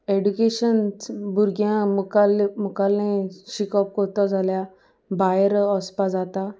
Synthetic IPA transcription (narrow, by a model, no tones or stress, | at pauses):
eɖukeɕənt͡sbʱuɾɡjãmukalmukalẽɕikɔp̚kɔɾt̪ɔd͡zʱalja | bajəɾɔspad͡zat̪a